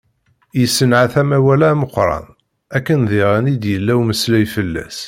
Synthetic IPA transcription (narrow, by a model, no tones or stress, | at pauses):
jəsːənʕaθæmæwælæməqːɾˤɑ̰n | ækːənðiʁænid̪jəlːæwməslæjfəlːæ̰s